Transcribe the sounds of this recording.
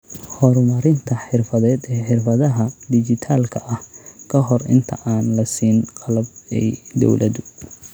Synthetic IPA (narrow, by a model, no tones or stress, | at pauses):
hɔrmɐɾɪnt̪ʰɐħɪrfɐðɛːd̪ɛːħɪrfɐðɐɦɐd̪ɪt͡ʃɪt̪ʰaːlkʰɐʔɐhkʰɐɦɔrɪ̰nt̪ʰɐ̰ʔaːnlɐsiːnqɑlɐb̚ɛ̰jd̪ɔ̰wlʔɐ̰ðʊ